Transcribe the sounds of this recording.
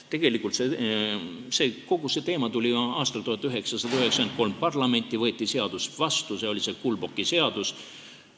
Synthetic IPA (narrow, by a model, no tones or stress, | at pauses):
t̪e̞ɡ̥e̞likˑult̪se | se̞ːko̞ɡ̥use̞t̪e̞ːmɑt̪ulʲiɑːst̪ɑlt̪uhɑt̪ːˑyɦe̞ksɑsɑd̪ɑyɦe̞ksɑenko̞lmpɑrlɑme̞nʲt̪ːˑivɤːt̪ˑːise̞ɑd̪̥usvɑst̪use̞o̞lʲise̞kulbo̞kːˑise̞ɑd̪us